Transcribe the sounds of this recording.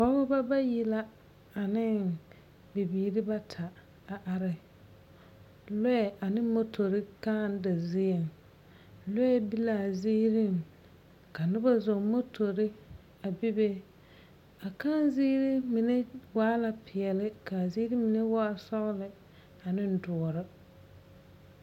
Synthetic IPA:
kɔ˦ɣʊ˦ba˦ba˦ji˦la˦ | a˨nɪ˦ | bɪ˨biː˨ɾɪ˦ba˦tʰa˨ | a˨ʔa˨ɾɪ˨ | lʊ˦ɛ˨ʔa˨nɪ˦mo˦tʰo˨ɾɪ˦ka˦˨n˦da˨zɪ˦e˨ŋ | lʊ˦ɛ˦bi˦la˨ziː˦ɾi˦˨ŋ | ka˨nɪ˦ba˦zo˨ŋmo˦tʰo˨ɾɪ˦ | a˨bi˦be˦ | a˨kaː˦n˦ziː˦ɾɪ˦mi˨ne˦waː˦la˨pʰɪ˨ɛ˨lɪ˦ka˨ziː˦ɾi˦mi˨ne˦waː˦sɔ˦ɣlɪ˨ | a˨nɪ˦n̩˦˨dʊ˨ɔ˨ɾɪ˦

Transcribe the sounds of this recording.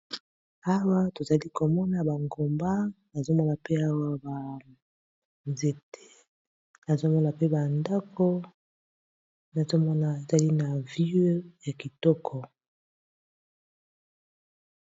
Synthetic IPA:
a˦wa˦to˨za˨li˦ko˨mɔ˦na˨ba˨ŋɡo˨mba˦na˨zo˦mɔ˦na˨pe˦a˦wa˦ba˨ | nze˨te˦ | na˨zo˦mɔ˦na˨pe˦ba˨nda˦kʰo˦ | na˨zo˦mɔ˦na˨e˨za˨li˦na˨vi˦ja˨ki˨tɔ˦kʰɔ˨

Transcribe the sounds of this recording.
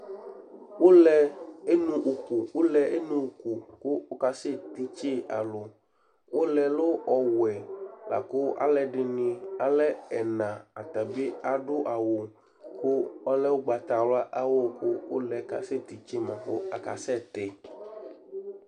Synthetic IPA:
wo˦lɛ˨e˦nũ˦ʔu˨ku˨wo˦lɛ˨e˦nũ˦u˨ku˨kʊ˦ka˦se˦t̪i˨t͡ʃe˦a̰˨lo˨ | wʔo˦lɛ˨lo˦ɔ˨wɛ˨la̰˨kʊ˦ʔa̰˦lɛ˨ɖɪ˨nɪ̃˨a˨lɛ˦ɛ˨nã˨a˨t̪a˨bi˦a˨ɖʊ˦ʔa˨wo˨ | kʊ˦ɔ˦lɛ˦wo˦ɡ͡ba˨t̪a˨wla˦ʔa˦wo˦kʊ˦wʔo˦lɛ˨ka̰˨se˦t̪i˨t͡ʃe˦mɛ̃˨xʊ̰˦a̰˨ka̰˨sɛ˦t̪ɛ˨

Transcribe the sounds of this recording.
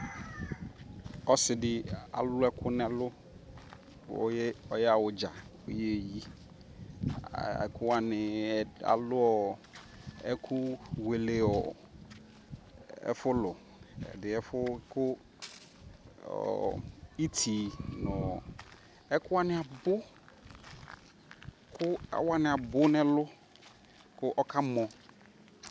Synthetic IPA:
ɔ˦sɪ˨dɪ˨a̰˨lʊ˦ɛ˦kʰʊ˦nɛ̃˨lʊ˦ | ɔ̰˦ɔ˦jɛ˦a˨wʊ˨d͡ʒa˨o˦je˦˨ji˦˨ | ɛ̰˨kʰʊ˦a˨nɪ̃˨a̰˨lʊ˦ɔ˨ | ɛ˦kʰʊ˦we˨le˦ɔ˨ | ɛ̰˦fʊ˦lʊ˨ | ɛ̰˨dɪ˨ɛ˦fʊ˦kʊ˦ | ɔ̰˨i˦tʰi˨nʊ̃˨ | ɛ˦kʊ˦a˦nɪ̃˨a˨bʊ˦ | kʰʊ˦a̰˨wa˦nɪ̃˨a˨bʊ˦nɛ̃˦lʊ˦ | kʰʊ˦ʔɔ˦kʰa˦mɔ̃˨

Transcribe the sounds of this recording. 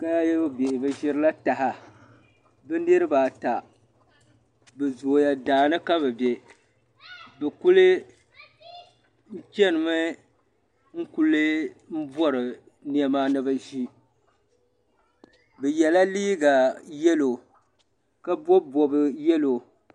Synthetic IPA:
ka˦jɛ˦bbe˨ʔɪ˨bɨ˦ʒɪ˦ɾɨ˦la˦ta˨ɦa˨ | bɨ˦nɨ˦ɾɨ˦baː˨ta˨ | bɨ˨zo˨ja˨daː˨nɨ˦ka˦βɨ˨be˨ | bɛ˨ku˦lɨ˦ | n̩˦t͡ʃɛ˦nɨ˨mɨ˦ | ŋ̩˦ku˦lɨ˦m̩˦bɔ˦ɾɨ˨ | ni˦ɛ˦maː˦nɨ˦ba˦ʒi˦ | bɨ˨jɛ˨la˦liː˦ɡa˨jɛ˦lo˨ | ka˦bɔ˦bɔ˨bɨ˦jɛ˦lo˨

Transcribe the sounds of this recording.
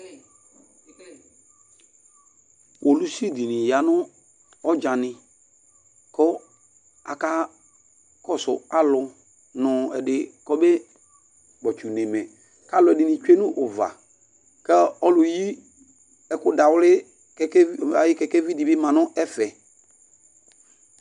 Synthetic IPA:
wʔo˨lu˦si˦˨di˨nɪ̃˨ja˨nʊ˦ | ɔ˦d͡ʒa˨nɪ̃˨ | kɔ˦ | a̰˨ka˦ | kɔ˦sʊ̰˨a˦lʊ˨ | nʊ̃˨ɛ˨dɪ˨kɔ˦be˦ | ɡ͡bɔ˨t͡ʃu˨nẽ˨mɛ̃˨ | ka˦lʊ˨ɛ˨dɪ˨nɪ̃˨t͡ʃe˦nʊ̃˦ʔʊ˨va̰˨ | kɛ˦ɔ˦lʊ˨ji˦ | ɛ˨kʊ˦da˨wʊ˦lɪ˦ | ɛ˦ka˨jɪ˦kɛ˦kɛ˦vi˦di˨bɪ˦mã˨nʊ̃˦ʔɛ˦fɛ˨

